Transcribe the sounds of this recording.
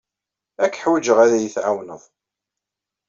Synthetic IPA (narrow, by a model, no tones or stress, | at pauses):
ækːħwəd͡ʒəʁæðæjəθʕawnəðˤ